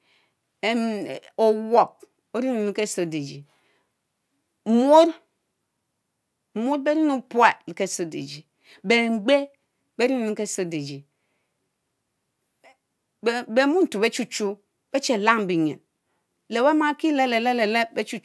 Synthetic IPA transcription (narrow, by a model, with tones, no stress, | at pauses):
e˨m˨o˨wo˨p̚ | o˦ɾi˦nu˨nu˦ke˦so˨de˨d͡ʒi˨ | m˦o˦ɾ | mo˦ɾbe˦ɾi˦nu˦pu˦a˨li˨ke˦˨so˨˦dḛ˨d͡ʒi˨ | be˨ŋ͡mɡ͡be˦ | be˦ɾi˦nu˨nu˦ke˦so˦de˨d͡ʒi˨˦ | be˨mu˦n̩˨tu˨be˦t͡ʃu˦t͡ʃu˦ | b̥e˦t͡ʃe˨la˦ŋ˨bi˨ɲḛ˨ | le˨we˦ma˦ki˦le˦le˨le˦le˨le˦be˦t͡ʃu˦